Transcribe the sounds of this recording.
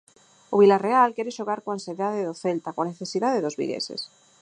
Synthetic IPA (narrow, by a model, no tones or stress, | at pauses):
oβilarealkjeɾeʃoɣaɾkoanseðaðeðoθelt̪akoaneθe̞siðaðeðozβḭlḛsḛs